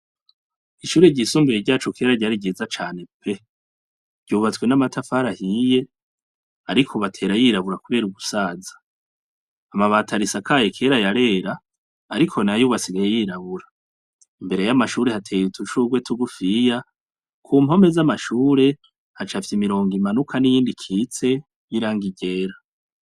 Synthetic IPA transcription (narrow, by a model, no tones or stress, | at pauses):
iʃuːɾe̞ɟisumbiɾeɟaːt͡ʃokʰe̞ːɾaɟaɾiɟiːzat͡ʃaːne̞pʰe̞ | ɾɟuːβat͡swe̞namatʰafaɾahiːje̞ | aɾikʰoβatʰe̞ːɾajiːɾaβuɾakuβe̞ːɾuɡusaːzḁː | maβatʰaɾisakʰaːjekʰe̞ːɾajaɾe̞ːɾaː | ɾikʰo̞najuːβat͡siɡajejiɾaβuɾa | imbe̞ɾe̞jamaʃuːɾe̞hatʰeːjutʰuʃuɡwe̞tʰuɡufija | kʰuːmho̞me̞zamaʃuːɾe̞ | hat͡ʃafi̥simiɾo̞ːŋɡimanukʰanijiːndikʰit͡se̞ | jiɾaːŋɡiɟe̞ɾa